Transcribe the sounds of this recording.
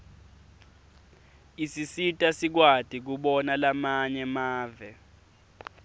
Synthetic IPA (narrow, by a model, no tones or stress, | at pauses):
isisitʼasik̬wad̥ʱik̬uɓɔnalamaɲɛmaːvɛ